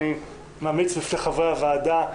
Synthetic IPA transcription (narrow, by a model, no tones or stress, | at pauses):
i | mamit͡sbifneχavʁeavaːd̪a